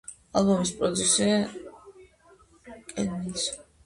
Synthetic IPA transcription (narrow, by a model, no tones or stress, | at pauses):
alˠbɔmispʼɾɔd̪zusia | kʼɛd̪nɛs